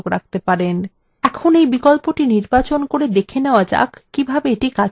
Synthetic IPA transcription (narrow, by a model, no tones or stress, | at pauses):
ɡɾak̚t̪epaɾen | ɛkʰonejbikɔlpoʈiniɾbat͡ɕonkoɾed̪ekʰeneoad͡ʑa̰kːibʱabeeʈika